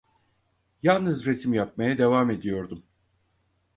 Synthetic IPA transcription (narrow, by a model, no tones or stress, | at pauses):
jalˠnɯzɾesimjap̚majad̪e̞vaːme̞d̪ijo̞ɾd̪um